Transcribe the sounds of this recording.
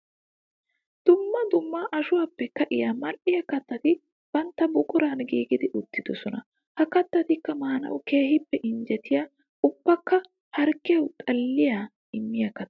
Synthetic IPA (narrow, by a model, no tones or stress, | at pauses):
d̪̥ʊmːɐd̪ʊmːaʔɐʃʊwaːpːɛkːɐʔɪjamɐlʔɪjɐkɐt̪ːɐt̪ɪ | b̥ɐnt̪ːɐbʊkʼʊɾanɡiːɡɪd̪ɪʔʊt̪ːɪd̪ɔsɔnɐ | hɐkɐt̪ːɐt̪ɪkːɐmaːnɐ̰wʊke̞ːhɪpːɛʔɪnd͡ʒɛt̪ɪja | ʊbːɐkːɐ | hɐɾkːɪjɐwt̪ʼɐlːɪja | ɪmːɪjɐkɐt̪ː